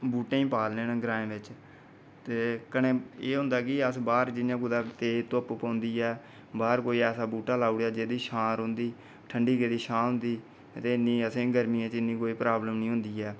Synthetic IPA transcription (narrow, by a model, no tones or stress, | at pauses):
buːʈẽːĩːpaːlnẽːñːɡɾãːẽːʋɪt͡ʃ | t̪eːkənẽːeːɦʊ̃nd̪aːkɪəsbaːɾd͡ʒɪnːãːkʊd̪aːt̪eːt̪ʊppãːnd̪iːɛː | baːɾkoːiːɛːsaːbuːʈaːlaːuɽjaːd͡ʒeːd̪iːʃãːɾɦõnd̪iː | ʈʰəɳɖiːkeːd̪iːʃãːɦʊ̃nd̪iː | t̪eːɪnːĩːəsẽːɡəɾmĩːãːt͡ʃɪnːĩːkoːiːpɾaːbləmnĩːɦʊ̃nd̪iːɛː